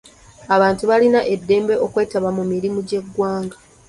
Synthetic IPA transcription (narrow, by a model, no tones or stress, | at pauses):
aβaːntuβalinaʔe̞dːe̞ːmbe̞ʔo̞kwe̞ːtaβamumiɾimuɟe̞ɡːwaːŋɡa